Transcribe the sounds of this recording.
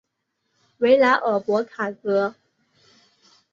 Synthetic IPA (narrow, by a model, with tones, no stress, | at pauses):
we˧˥ɪla˧˥ɪʔə˨˩pwɔ˧˥kʰa˨˩t͡sɤ˧˥